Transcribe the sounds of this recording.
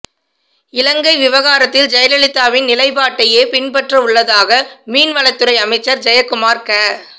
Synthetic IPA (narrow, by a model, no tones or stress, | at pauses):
ɪlɐŋɡɐɪʋɪʋɐɣaːɾɐt̪ːɪld͡ʒɐjɐlɐɭɪt̪ːaːʋɪnnɪlɐɪpaːʈːɐjeːpɪnpɐʈrɐʊɭːɐðaːɣɐmiːnʋɐɭɐɪt̪ːɯɾɐɪɐmɐɪt͡ʃːɐɾd͡ʒɐjɐkːʊmaːɾkɐ